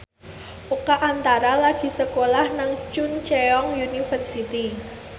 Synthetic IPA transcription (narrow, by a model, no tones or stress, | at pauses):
ʔukaʔant̪aɾalaɡ̥i̤səkolahnaŋt͡ʃunt͡ʃɛɔŋjunifərsit̪i